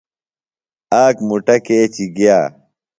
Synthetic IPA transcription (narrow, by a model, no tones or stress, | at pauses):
aːkmuʈɐkeːt͡ɕiɡjaː